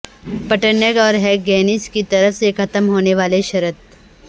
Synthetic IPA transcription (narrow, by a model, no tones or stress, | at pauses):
pɐʈənəɡɔːɾɦɛɡɛːnɪskit̪ɐɾəfsekʰɐt̪əmɦoːneʋaːleʃɐɾət̪̚